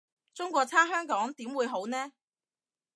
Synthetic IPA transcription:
t͡sʊ˥ŋkʷɔː˧t͡sʰaː˥ɦœː˥ŋkɔː˨˥ŋt̪iː˨˥mwuː˨˧jɦo˨˥wnɛː˥

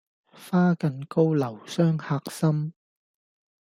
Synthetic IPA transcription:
faː˥kɐ˨˧nko˥wlɐ˨˩wsœː˥ŋhaː˧k̚sɐ˥m

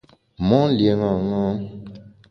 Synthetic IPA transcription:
mɔ˦lje˨ŋa˨ŋa˦

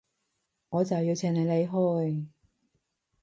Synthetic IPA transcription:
ŋɔː˨˧t͡sɐ˨wji˧wt͡sʰɛː˧˩ŋne˨˧jle˨˧jɦo˧j

